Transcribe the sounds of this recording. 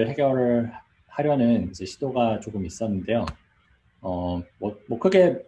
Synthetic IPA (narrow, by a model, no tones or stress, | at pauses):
ɭɦe̞ɡjʌɾɯɭ | haɾjʌnɯnid͡ʑe̞ɕʰidoɡat͡ɕoɡɯmis͈ʌnːɯnde̞jo | ʌmwʌmʌkʰɯɡe̞